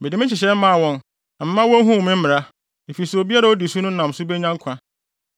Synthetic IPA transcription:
be˨di˨m˦ɪ̃˦t͡ɕʰɪ˨ɕ̬ɛ˦m̩˦mã˦˨wɔ̃˦n | na˨m̩˦mã˦wɔ̃˦n˦ɦũ˦˨mɪ̃˦m̩˦ɪ̃˨ɾa˦ | e˨fi˨sɛ˨o˨bi˦a˦ɾa˨o˦di˨su˦nʊ̃˦nã˨m˨sʊ˦be˦ɲã˦ŋ˦kʰã˦

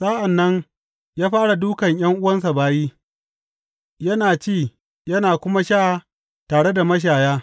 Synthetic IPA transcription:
sa˦ʔa˨nːɐ˦ŋ | jaː˦ɸaː˦ɽa˨duː˦kɐ˨ɲj̰ɐ˦ŋʔʊ˦wɐ˦ns̬a˨baː˦jiː˦ | jɐ˦naː˨t͡ʃeː˦˨ | jɐ˦naː˨kʷʊ˦ma˦ʃaː˦˨ | taː˨ɽe˦da˨mɐ˦ʃ̬aː˨jaː˦

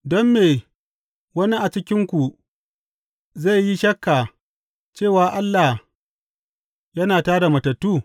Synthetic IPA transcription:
dɔ˦mːeː˨ | wɐ˦ni˦ʔa˨t͡ʃɪ˦kʲɪ˦ŋkʷu˨ | za˦˨jːi˦ʃɐ˦kːa˨ | t͡ʃeː˦˨waː˨ʔa˦lːa˨h | jɐ˦naː˨taː˦da˨mɐ˨tɐ˨tːuː˦˨

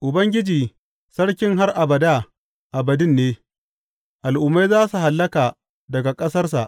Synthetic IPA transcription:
ʔʊ˨bɐ˦ŋɡʲɪ˦d͡ʒiː˨ | sɐ˦ɽkʲɪ˦ŋɦa˦rʔa˨bɐ˨daː˦˨ | ʔa˨bɐ˨dɪ˦nːeː˦ | ʔa˨lʔʊ˨mːa˦jzaː˦su˨ɦa˨lːɐ˦kaː˨ | dɐ˨ɡa˨kʼɐ˦sɐ˦rs̬a̰˨ʔ

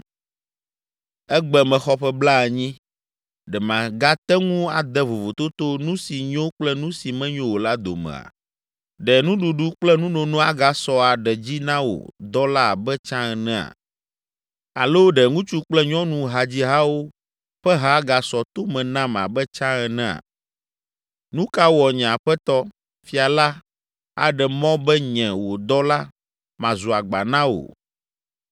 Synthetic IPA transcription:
ɛ˦ɡ͡bɛ˨mɛ̃˨xɔ˦ɸɛ˦bla˦ɛ˨ɲĩ˦ | ɖɛ˨mã˨ɡa˦t̪ɛ˦ŋũ˦a˨d̪ɛ˦vo˨vo˨t̪o˦t̪o˦nũ˦si˨ɲõ˦k͡plɛ˦nũ˦si˨mɛ̃˦ɲõ˦wo˨la˦d̪o̰˨mɛ̰̃˨a̰˨ | ɖɛ˨nũ˦ɖu˨ɖu˦k͡plɛ˦nũ˦nõ˨nũ˦a˦ɡa˨sɔ˦a˨ɖɛ˨d͡ʑi˦nã˦wo̰˨d̪ɔ˦la˦˨bɛ˦t͡ʃã˦ɛ˨nɛ̃˦a̰˨ | a̰˨lo˦ɖɛ˨ŋũ˦t͡ʃu˦k͡plɛ˦ɲɔ̃˦nũ˨ɦa˨d͡ʑi˦ɦa˦wo˦ | ɸɛ˦ɦa˦ɡa˨sɔ˨t̪o˦mɛ̃˨nã˦ma̰˨bɛ˦t͡ʃã˦ɛ˨nɛ̃˦a̰˨ | nũ˦ka˦wɔ˨ɲɛ̃˨a˨ɸɛ˦t̪ɔ˦ | fi˦a˨la˦ | a̰˨ɖɛ˨mɔ̃˦bɛ˦ɲɛ̃˨wo˨d̪ɔ˦la˦ | mã˨zu˨a˨ɡ͡ba̰˨nã˦wo̰˨

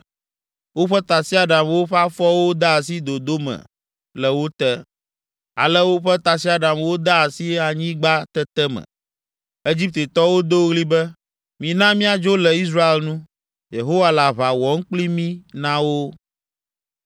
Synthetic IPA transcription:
wo˦ɸɛ˦t̪a˨si˦a˨ɖa˨mwo˦ɸɛ˦a˦fɔ˦wo˦d̪a˦a˨si˦d̪o˨d̪o˦mɛ̰̃˨ | lɛ˨wo˦t̪ɛ˦ | a̰˨lɛ˦wo˦ɸɛ˦t̪a˨si˦a˨ɖa˨mwo˦d̪a˦a˨si˦a˨ɲĩ˦ɡ͡ba˦t̪ɛ˦t̪ɛ˦mɛ̰̃˨ | e˦d͡ʑi˦p̚t̪e˨t̪ɔ˦wo˦d̪o˦wɣli˦bɛ˦ | mĩ˨nã˦mĩ˦a˨d͡ʒo˦lɛ˨i˦s̬ɾa˦e˨lnũ˦ | je˨ɦo˦wa˦la˨βa˨wɔ˨˦ŋ̩˦k͡pli˦mĩ˦nã˦wo˦

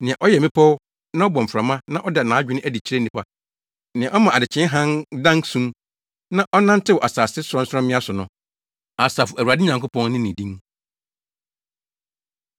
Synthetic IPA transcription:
nɪ̃˨ɛ̃˨ʔɔ˦jɛ˨mɪ̃˦pʰɔ˦w | nã˦ɔ˦bɔ̃˨m̩˨fɾa˨mã˦nã˦ʔɔ˦dɛ˨nã˨˦d͡ʑᶣɪ˦nɪ̃˦æ˦di˨t͡ɕʰɾe˦n˨ĩ˨pa˦ | nɪ̃˨ɛ̃˨ʔɔ˦mã˨a˨dɪ˨t͡ɕʰɪ̃˦ɦã˦ndã˦ŋsũ˦m | nã˦ʔɔ˦nã˦n˦tʰɪ˦wɔ˨ʔa˨saː˨sɪ˦sʊ˨ɾɔ̃˦n̩˦sʊ˦ɾɔ̃˦mɪ̃˦a˦sʊ˨nʊ̃˨ | a˨saː˨fʊ˨æ˨wa˨dɪ˦ɲã˨ŋko˦pɔ̃˦nnɪ̃˦nĩ˨dĩ˦ŋ

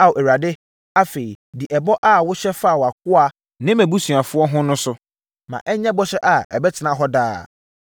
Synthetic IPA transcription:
a˨wo˨ɛ˨ɾa˨dɪ˦ | a˦fe˨i˨dɪ˨ʔɛ˨bɔ˦ʔa˦wʊ˦ɕɛ˦fa˦˨wa˨kʊ˦a˦ | nɪ̃˦mæ̃˨bu˦su˨a˨fʊ˦ɔ˦ɦʊ̃˦nʊ̃˦sʊ˦ | mã̰˨ʔɛ˦ɲɛ̃˦bɔ˦ɕɛ˦ʔa˨ɛ˨bɛ˦tʰɪ˨nã˨ɦɔ˦daː˦

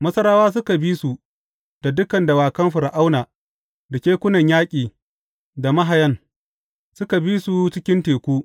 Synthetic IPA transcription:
mɐ˦sɐ˦ɾaː˦waː˦s̬ʊ˦ka˨biː˦su˨ | d̥a˨dʊ˦kɐ˨nda˨waː˨kɐ˦mɸʊ˨ɾa˨ʔa˦wnaː˨ | da˨kʲeː˦kʷʊ˦nɐ˨ɲjaː˦kʲʼiː˨ | da˨mɐ˦ɦa˨jɐ˦n | sʊ˦ka˨biː˦su˨t͡ʃɪ˦kʲɪ˦nteː˨kʷuː˦

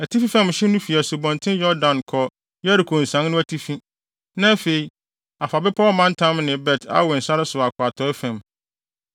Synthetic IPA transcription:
æ˨tʰi˦fi˦fã˦˨mɕɪ˦nʊ̃˦fi˨æ˨sʊ˨bɔ̃˨ntʰɪ̃˦jɔ˦dã˨nkʰɔ˨ | jɛ˦ɾɪ˨kʰo˨n̩˨sã˦nnʊ̃˦æ˦tʰi˦fĩ˦ | nã˦fe˨i˨ | a˨fa˨bɛ˦pʰɔ˦mã˦n˦tʰã˦mnɪ̃˨bɛ˨tʰa̰˦wʊ˨n̩˨sa˦ɾɪ˦sʊ˨a˨kʰʊ˨a˨tʰɔ˨˦ɛ˦fæ̃˨m

